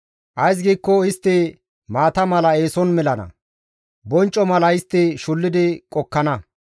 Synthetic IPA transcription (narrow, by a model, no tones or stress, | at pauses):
ʔɐjs̬ɡiːkːɔɪst̪ːɪ | maːt̪ɐmɐlɐe̞ːsɔnmɛlɐnɐ̰ | bɔnt͡ʃʼːɔmɐlɐɪst̪ːɪʃʊlːɪd̪ɪkʼɔkːɐnɐ